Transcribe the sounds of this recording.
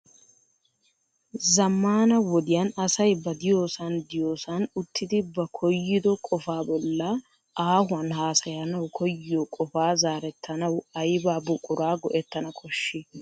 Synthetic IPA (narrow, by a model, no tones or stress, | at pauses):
zɐmːaːnɐwɔd̪ɪjanɐsɐjbɐd̪ɪjoːsɐnd̪ɪjoːsɐnʊt̪ːɪd̪ɪbɐkʰɔjːɪd̪ɔkʼɔfaːbɔlːɐ | ʔaːhʊɐnɦaːsɐjɐnɐwkʰɔjːɪjɔkʼɔfaːzaːɾɛt̪ːɐnɐwɐjbaːbʊkʼʊɾaːɡɔʔɛt̪ːɐnɐkʰɔʃːɪ